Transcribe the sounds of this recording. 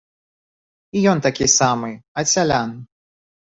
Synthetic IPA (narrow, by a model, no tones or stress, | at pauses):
ijɔnt̪akʲisamɨɐsʲalʲan